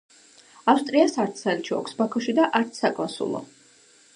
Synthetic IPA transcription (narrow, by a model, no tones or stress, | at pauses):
afst̪ʼɾiasaɾt̪sʰsalit͡ʃʰiɔ̰kʷʰsbakʰɔʃid̪aʔaɾt̪sʰsakʼlˠasṵlˠɔ̰